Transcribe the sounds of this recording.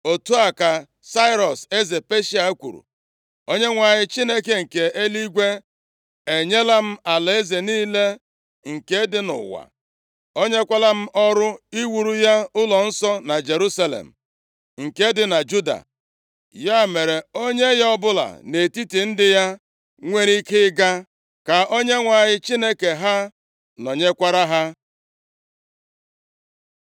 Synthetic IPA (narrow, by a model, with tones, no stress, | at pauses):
o˨tu˦a˨ka˨ | sa˦ɪ˦ɾɔ˨se˦ze˨pe˦ʃi˦a˨˦kʷṵ˨ɾṵ˨ | o˦ɲe˦ŋʷa˨ɲɪ˦t͡ʃi˦ne˦ke˦ŋ̩˨ke˨ʔe˦li˦ɡʷe˦ | e˨ɲe˦la˦m̩˦a˨le˦ze˨niː˦le˦ | ŋ̩˨ke˦dɪ˦nʊ̰˨wa̰˨ | o˦ɲe˦kʷa˦la˦m̩˦ʔɔ˦ɾʊ˦i˦wu˨ɾu˦ja˦ʊ˦lɔ˨n̩˦sɔ˦na˨d͡ʒe˨ɾu˦sa˦lḛ˨m̩˨ | ŋ̩˨ke˦dɪ˨na˨d͡ʒu˦da̰˨ | ja˦˨me˨ɾe˨o˦ɲe˦jɔ˦bʊ˦la̰˨ne˨ti˦ti˨n̩˦dɪ˦ja˦ | ŋʷe˦ɾi˦kɪ˦ɡa˦ | ka˨o˦ɲe˦ŋʷa˨ɲɪ˦t͡ʃi˦ne˦ke˨ɦa˦ | nɔ˨ɲe˦kʷa˦ɾa˦ɦa˦